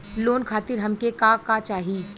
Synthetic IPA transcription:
loːnkʰaːt̪ɪɾɦɐmkekakat͡ʃaːɦiː

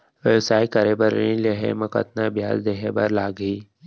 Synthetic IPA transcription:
ʋewsaːikɐɾebəɾḭ̃leɦḛmɐkə̰t̪naɐbʱja̰ːzd̪eɦebɐɾlaːɡiː

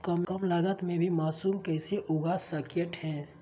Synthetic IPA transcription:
kəmkəmlaɡət̪mebʱimaːsulkəɪseʔoɡasəkəʈɦɛ̃

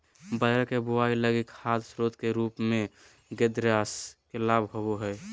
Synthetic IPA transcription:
bəd͡ʒəɾkebuailəɡikhat̪sɾoːt̪keɾuːpmẽ | ɡed̪ɾjaːskelaːbɦoboɦɛj

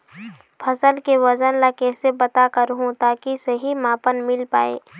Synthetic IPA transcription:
pʰɐsəlkeʋɐzənlakɛːsebɐt̪akəɾɦũt̪aːkisɐɦimaːpənmɪlpa̰ːḛː

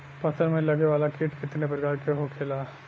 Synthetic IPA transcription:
pɐt̪ʰəɾmẽlɐɡeʋaːlakɪʈkɪt̪nepɐɾɪkaːɾkeɦokʰeːlaː

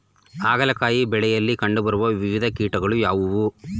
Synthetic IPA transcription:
aːɡɐlɐkaːjibɛɭɛjɐlːikɐɳɖubɐɾuʋɐʋiʋid̪ʱɐkiːʈɐɡɐɭujaːʋuʋu

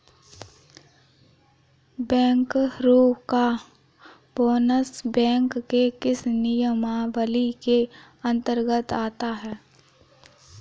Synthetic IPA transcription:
bɛ̃ːŋkɾoːka | bɔːnəsbɛ̃ːŋkːekɪsnɪjəmaːʋəlike | ə̃nt̪əɾɡət̪aːt̪aɦɛː

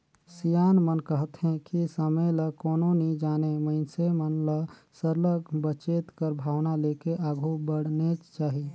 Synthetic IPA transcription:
sijanmənkəɦt̪ɦẽkisəməjləkoːnonid͡ʒaːneməɪnsemənləsəɾləɡbət͡ʃet̪kəɾbʱaːwnalekeʔaɡʱubəɽnet͡ʃt͡ʃaːɦi

